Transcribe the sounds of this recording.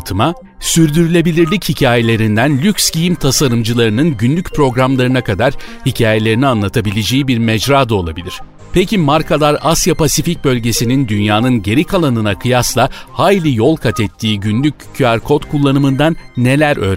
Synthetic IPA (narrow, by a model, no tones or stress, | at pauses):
t̪ʰɯma | syɾd̪yɾylʲe̞bilʲiɾlʲichicʰaːje̞lʲe̞ɾind̪ænlʲyksɟijimt̪ʰasaɾɯmd͡ʒɯlˠaɾɯnɯnɟynlʲyc̚pʰɾo̞ɡɾamlˠaɾɯnakad̪aɾ̥hicʰaːje̞lʲe̞ɾinianlˠat̪ʰabilʲed͡ʒejibiɾmɛd͡ʒɾaːd̪ao̞lˠabilʲiɾ̥ | pʰecʰimaɾkʰalˠaɾasjapʰasific̚bø̞lʲɟe̞sinind̪ynjaːnɯnɟe̞ɾikʰalˠanɯnakʰɯjaslˠahaːjlʲijo̞lˠkʰat̪ʰɛt̪ʰːiːɟynlʲycʰːyaɾkʰo̞t̪kʰulˠːanɯmɯnd̪anːe̞lʲæɾʔø̞̰ːɾ